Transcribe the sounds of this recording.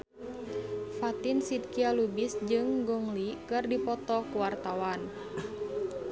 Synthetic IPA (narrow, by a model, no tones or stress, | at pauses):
fat̪insid̪̚kialubisd͡ʒɨŋɡɔŋlikɨrdipɔt̪ɔkuwart̪awan